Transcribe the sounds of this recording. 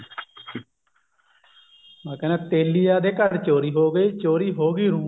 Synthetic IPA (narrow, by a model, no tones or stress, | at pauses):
maːkənaːt̪eːlijaːd̪eːkəɾt͡ʃoːɾiːɦoːɡəiːt͡ʃoːɾiːɦoːɡiːɾũː